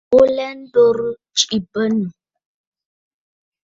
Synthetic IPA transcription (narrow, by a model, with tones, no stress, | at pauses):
o˦lɛ˦n̩˦do˦ɾu˦ | t͡ʃi˨bə˦nə˨